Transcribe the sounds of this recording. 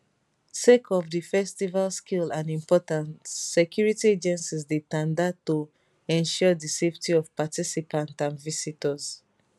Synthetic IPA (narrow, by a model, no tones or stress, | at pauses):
sekʰɔvdifɛstivalskilãnĩmpɔtãntsɛkʰjuɹitied͡ʒɛ̃nsizdetãndato | ɛ̃nʃɔdiseftʰiɔvpatisipʰãntsãnvisitəz